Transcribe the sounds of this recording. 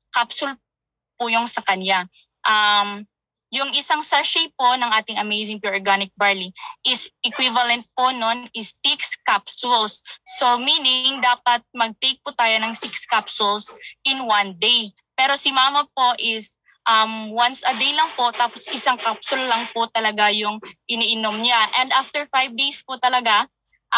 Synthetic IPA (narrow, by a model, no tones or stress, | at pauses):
kapsʊl | puːjoŋsɐkɐna | ʔɐm | jʊŋɪsaŋsɛʃejpːo̞nɐŋʔaːt̪ɪŋɐmejsɪŋpjuɹʔɹɡanɪk̚baɹliʔɪsʔɛkwivɐlɛnt̪̚pononʔɪsːɪkskapsʊlsːo̞miːnɪŋd̪aːpɐt̪̚mɐɡ̚t̪ejk̚pʊt̪aːjonɐŋsɪkskapsʊlsʔɪnwɐnd̪ej | pɛːɾo̞sɪmaːmɐpo̞ʔɪs | ʔɐmwansɐd̪ejlɐŋpo̞t̪aːposʔɪsaŋkapsʊllɐŋpot̪ɐlɐɡajʊŋʔɪniʔɪnomɲaʔɛnd̪ʔaft̪ɛɹfajvd̪ejspʊt̪ɐlɐɡa | ʔ